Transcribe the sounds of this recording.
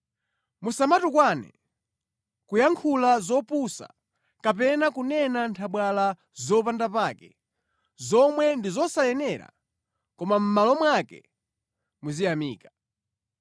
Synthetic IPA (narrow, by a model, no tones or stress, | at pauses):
musamatukwaːnɛ̰ | kujaŋkʰulazɔpusa̰ | kapɛnakunɛnantʰaɓwala | zɔpandapaːkɛ | zɔmwɛndizɔsajɛnɛɾa̰ | kɔmam̩malɔmwakɛ̰ | muzijamiːkḁ